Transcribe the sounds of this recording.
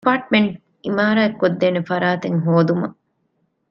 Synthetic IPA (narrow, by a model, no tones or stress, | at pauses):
paːʈ̚meɳʈ | imaːɾaːekːod̪ːeːnefɐɾaːt̪eŋɦoːd̪umɐ